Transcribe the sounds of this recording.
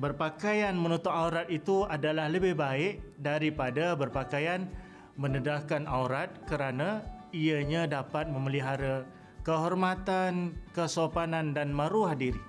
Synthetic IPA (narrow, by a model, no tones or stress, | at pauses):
bərpakajanmənut̪ʊʔauɾat̪̚it̪uadalahləbɪhbaɪʔdaɾipadabərpakajan | mənədahkanʔawɾat̪̚kəɾanaiəɲadapat̪̚məməliɦaɾa | kəɦɔrmat̪ankəsopanandanmaɾuahdiɾi